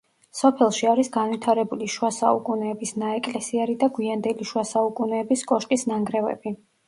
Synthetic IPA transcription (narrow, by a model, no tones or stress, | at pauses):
sɔpʰɛlˠʃiaɾisɡanwit̪ʰaɾɛbuliʃuasaukʼunɛːbisnaɛkʼlɛsiɛɾid̪aɡwiand̪ɛliʃuwasaukʼunɛːbiskʼɔʃt̪ʼisnaŋɡɾɛvɛ̰bi